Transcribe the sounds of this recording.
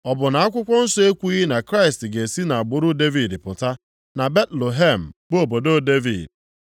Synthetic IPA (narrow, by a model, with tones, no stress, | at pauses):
ɔ˨bʊ˨na˨a˦kʷʊ˦kʷɔ˦n̩˦sɔ˦e˦kʷu˦i˦i˦na˨kɾa˦ɪ˨stɡe˨si˦na˨a˨ɡ͡bʊ˦ɾʊ˦de˦vi˨dpʊ˨ta˦ | na˨be˦tlo˨ɦe˦˨m̩˨bo˨bo˨do˦de˦vḭ˨d